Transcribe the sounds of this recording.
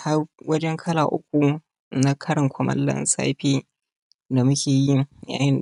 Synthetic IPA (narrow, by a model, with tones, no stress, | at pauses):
ha˦rwɐ˦d͡ʒɛ˦ŋkʰɐ˦laː˨ʔʊ˦k̚ʷu˨ | na˦kʰɐ˦ɽɪ˨ŋkʷʊ˦mɐ̰˦lːɐ̰˦nsa̰ː˦ɸeː˦ | da˨mʊ˦kʲeː˨ji˦ja̰ː˨jɪ˦n